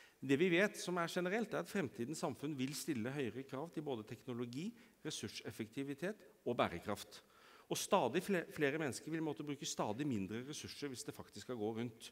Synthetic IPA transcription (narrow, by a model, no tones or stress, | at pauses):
d̪ɛʋɪʋeːt̪sɔmæɾʂɛnəɾɛlt̪æɾɑt̪fɾɛmt̪ʰiːd̪n̩sɑmfʉnʋɪlst̪ɪlːəɦœʏɾəkʰɾɑːʋd̪ɪboːd̪ət̪ʰɛknʊlʊɡiː | ɾɛsʉʂɛfəkt̪ʰɪʋɪt̪ʰeːt̪ɔbæːɾəkʰɾɑft̪ | ɔst̪ɑːd̪ɪfleːɾəmɛnːəskəɾʋɪlmoːt̪əbɾʉːkəst̪ɑːd̪ɪmɪnd̪ɾəɾɛsʉʂːəɾʋɪsd̪ɛfɑkt̪ɪskːɑɡoːɾʉnt̪